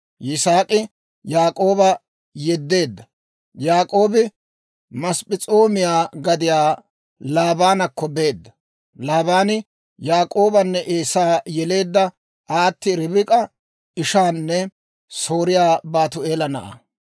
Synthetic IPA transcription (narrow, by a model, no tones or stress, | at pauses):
jɪsaːkʼɪ | jaːkʼo̞ːbɐ | jɛd̪ːe̞ːd̪ːɐ | jaːkʼo̞ːbɪ | mɐspʼɪt͡sʼoːmɪjaːɡɐd̪ɪjaː | laːbaːnɐkːɔbe̞ːd̪ːɐ | laːbaːnɪ | jaːkʼo̞ːbɐnːɛʔeːsaːjɛle̞ːd̪ːɐ | ʔaːt̪ːɪɾɪbɪkʼɐ | ɪʃaːnːɛ | so̞ːɾɪjaːbaːt̪ʊe̞ːlɐnɐʔɐ̰